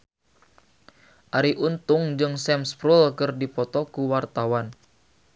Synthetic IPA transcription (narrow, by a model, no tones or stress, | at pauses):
ʔaɾiʔunt̪uŋd͡ʒɨŋsɛmspɾulkɨrdipɔt̪ɔkuwart̪awan